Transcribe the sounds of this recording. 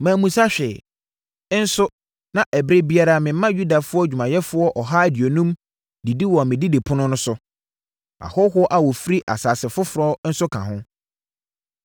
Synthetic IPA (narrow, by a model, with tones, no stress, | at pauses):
mãː˨mũ˨sa˦ɕᶣɛ˨˦ | n̩˦sʊ˦ | nã˨ʔɛ˨bɾe˦bi˦a˦ɾa˦mɪ̃˨˦mã˦ju˦da˨fʊ˦ɔ˦˨d͡ʑᶣu˨mã˨jɛ˦fʊ˦ɔ˦ʔɔ˨ɦa˦˨dɪ˨o˨nũ˦m | di˨di˦wɔ˨mɪ̃˨di˦di˨pʰʊ˦nʊ̃˦nʊ̃˦sʊ˦ | a̰˨hɔ˦ɦʊ˦ɔ˦ʔa˨wɔ˨fɾi˦ʔa̰˨saː˨sɪ˨fʊ˦fʊ˨ɾɔ˦n̩˦sʊ˦kʰã̰˨ɦʊ̃˦